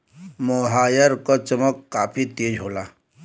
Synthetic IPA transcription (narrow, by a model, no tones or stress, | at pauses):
moːɦaːjəɾkɐt͡ʃəməkːaːpʰit̪eːd͡ʒɦoːlaː